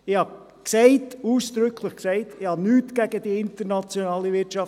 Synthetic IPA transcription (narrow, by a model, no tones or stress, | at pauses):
ɪhɑ | ksɛɪtuːsd̪̥ɾʏkʰləχksɛɪtɪhɑnyːtɡ̥æɡədiɪntəɾnɑt͡sjonɑːliʋɪtt͡ʃɑf